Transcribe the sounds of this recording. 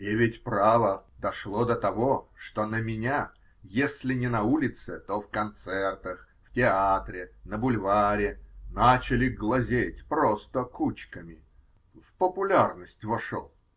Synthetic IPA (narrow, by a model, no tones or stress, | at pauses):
ɪvʲɪtʲpravəd̪ɐʂlˠo̞d̪ət̪ɐvo̞ʂt̪onəmʲɪnʲa | jesʲlʲɪnʲɪnɐulʲɪt̪sɨt̪ofkɐnt̪sɛrt̪əx | ftʲɪat̪ɾʲɪnəbʊlʲvaɾʲɪnat͡ɕɪlʲɪɡlˠɐzʲetʲpɾost̪əkut͡ɕkəmʲɪ | vpəpʊlʲarnəsʲtʲvɐʂo̰lˠ